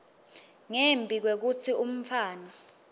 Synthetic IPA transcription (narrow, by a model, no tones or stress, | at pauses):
ŋembʱik̬wek̬ut͡sʰium̩faːna